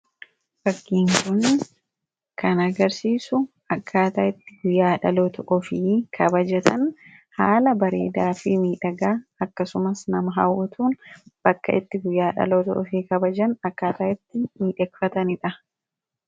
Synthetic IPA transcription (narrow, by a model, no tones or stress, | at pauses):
bɐɡːiːŋkʊn | kʰɐnɐɡɐɾsiːsʊ | ɐkʰːaːt̪aːɪt̪ːɪ̥ɡʊjːaːᶑɐloːt̪ɔʔɔfɪkʰɐbɐd͡ʒɛt̪ʰɐnhaːlɐbɐɾḛːd̪aːfɪmiːᶑɐɡaːkːɐsʊmɐsnɐmɐɦɐ̰wʊt̪ʰuːnb̥ɐkːɐ̰ʔɪt̪ːɪɡʊjːaːᶑɐ̰loːt̪ɔ̰ʔɔfikɐbɐd͡ʒɐnɐkːaːt̪aːɪt̪ːɪmiːᶑɐkfɐt̪ɐnɪᶑɐ